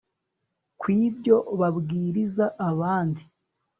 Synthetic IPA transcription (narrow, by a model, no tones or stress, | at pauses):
kwiːbɟo̞βabɡiːɾizaʔːβaːndi